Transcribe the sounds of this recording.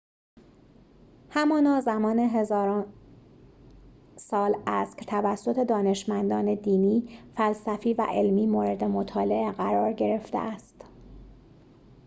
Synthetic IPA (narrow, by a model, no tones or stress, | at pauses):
hæmɒːnɒːzæmɒːne̞ɦe̞zɒːɾɒːn | sɒːlæscʰt̪ʰævæsːo̞t̪ʰe̞d̪ɒːne̞ʃmænd̪ɒːne̞d̪iːniːfælsæfiːvæ̰ʔe̞lmiːmoːɾe̞d̪e̞mot̪ʰɒːle̞ʔeɣæɾɒːɾɟe̞ɾe̞ft̪ḛʔæst̪